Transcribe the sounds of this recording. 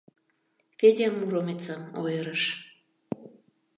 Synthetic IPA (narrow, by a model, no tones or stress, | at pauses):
fezʲemːuɾomet͡sɑmojəɾəʃ